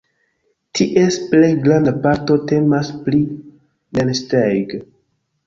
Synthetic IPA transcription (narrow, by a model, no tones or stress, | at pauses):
tʰiʔesplejɡɾandapaɾ̚to̞te̞maspli | nelstejɡ